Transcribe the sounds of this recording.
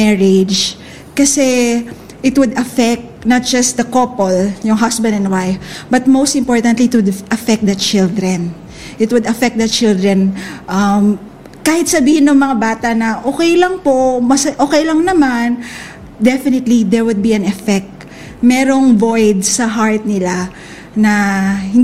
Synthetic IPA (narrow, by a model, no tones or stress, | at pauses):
mɛɹɪd͡ʒ | kɐsɛ | ʔɪt̪wʊd̪ɐfɛk̚t̪nɐt̪̚d͡ʒɐst̪̚d̪ɐkopɔljʊŋɦɐsbɐ̃nd̪ɛnd̪wajfbɐt̪̚mowst̪ɪ̃mpoɹt̪ɐ̃nt̪liɪt̪̚wʊd̪ʔɐfɛk̪̚d̪ɐt͡ʃɪld̪ɾɛn | ʔɪt̪wʊd̪ɐfɛk̚t̚d̪ɐt͡ʃɪld̪ɹɛ̃nʔɐm | kaːhɪt̪̚sɐbiːhɪnoŋmɐŋabaːt̪ɐnɐʔoːkɛjlɐŋpomɐsʔoːkɛjlɐŋnɐman | d̪ɛfɪnɪt̪lid̪ɛɹwʊd̪̚biɐ̃nɛfɛk̚t̪ | mɛːɾoŋvojd̪sɐɦaɹt̪̚nɪla | nɐhɪn